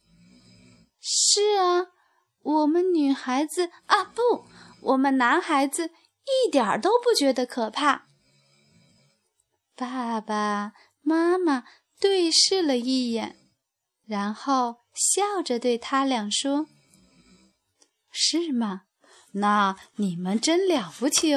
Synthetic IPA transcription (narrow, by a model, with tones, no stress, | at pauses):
ʂɻ̩˥˩ɐ˩ | wɔ˨˩mə˦nny˨˩xa˧˥ɪd͡zɹ̩˧a˧pu˥˩wʔɔ˨˩mə˦nna˧˥nxa˧˥ɪd͡z̩˧ | i˥˩t̪jɑ˨˩t̪o˥ʊpu˥˩t͡ɕɥɛ˧˥d̪ə˧kʰɤ˨˩pʰa˥˩ | pa˥˩ba˨˩ | ma˥ma˨ | t̪we˥˧ɪʂɻ̩˥˩lə˨i˥˩jɛ˨˩˦n | ɻa˧˥nxo˥˩˧ʊ | ɕjɑ˥˩ʊʈ͡ʂə˨t̪we˥˩ɪt̪ʰa˥ljɑ˨˩ŋʂwɔ˥ | ʂɻ̩˥˩mɐ˩ | na˥˩ni˨˩mə˦nʈ͡ʂə˥nljɑ˨˩ʊpu˧˥t͡ɕʰi˧˥